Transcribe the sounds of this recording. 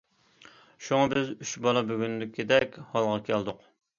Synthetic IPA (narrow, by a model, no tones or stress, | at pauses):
ʃuŋɑbɪzyt͡ʃbɑlˠɑbyɡʲynd̪ɪkʲʰːid̪ɛkʲhɑlˠʁɑkʲʰæld̪ʊq